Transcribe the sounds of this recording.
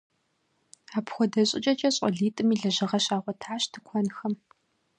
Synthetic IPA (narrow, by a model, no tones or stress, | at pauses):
aːpxʷɔdɐɕʼɪ̰t͡ʃʼɐt͡ʃʼɐɕʼɔ̰ɮiːtʼɨmiːɮɐʑɨʁɐɕaːʁʷɔtʰaːɕtʰɨkʷʰɔnxɐm